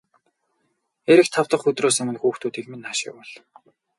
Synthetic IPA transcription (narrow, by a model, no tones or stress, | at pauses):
eɾɘ̆kt̪ʰawt̪ə̆χɵt̪roːsɵ̆mɘ̆nxuːxt̪ʰuːt̪iːkmenːaʃɪ̰wɔɮ